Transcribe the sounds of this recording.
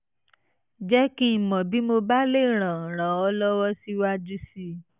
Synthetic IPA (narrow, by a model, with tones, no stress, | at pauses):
d͡ʒɛ˦kĩ˦˨mɔ̃˨bi˨˦mo˧ba˦le˦˨ɾ̃ã˨ɾ̃ã˨˦ɔ˧˦lɔ˦wɔ˦si˦wa˦d͡ʒu˦si˦